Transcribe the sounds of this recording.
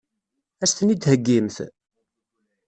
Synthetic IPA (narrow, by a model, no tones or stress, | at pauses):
æsθənid̪həɡːimθ